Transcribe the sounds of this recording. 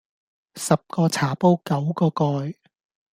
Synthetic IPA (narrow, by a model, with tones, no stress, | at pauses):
sɐ˨p̚kɔː˧t͡sʰaː˨˩po˥wkɐ˨˥wkɔː˧kɔː˧j